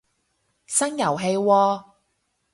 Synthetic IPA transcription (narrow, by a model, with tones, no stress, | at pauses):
sɐ˥ŋjɐ˨˩wɦe˧jwɔː˧